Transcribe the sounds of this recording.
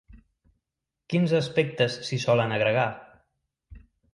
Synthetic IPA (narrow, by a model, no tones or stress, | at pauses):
kinzəspek̚t̪əsːisɔlənəɣɾəɣ̞a